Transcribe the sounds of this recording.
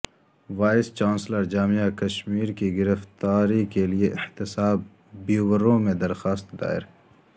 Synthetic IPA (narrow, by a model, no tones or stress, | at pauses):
waːɪst͡ʃaːnsləɾd͡ʒaːmijakɐʃmiːɾkiɡɪɾəft̪aːɾikelieʔɪht̪ɪsaːbː | uwəɾõmẽd̪ɐɾxaːst̪d̪a̰ːɪ̰ɾ